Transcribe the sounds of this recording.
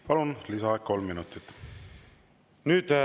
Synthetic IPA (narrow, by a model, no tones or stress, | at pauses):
pɑlunlisɑeko̞lmːinut̪ːˑit̪ːˑ | nyːd̪